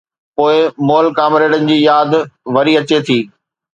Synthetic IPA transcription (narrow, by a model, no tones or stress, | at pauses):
poːɪmoːlkaːmɾeːɽənɪ̆d͡ʑiːjaːd̪ʋɐɾiɐt͡ɕet̪ʰiː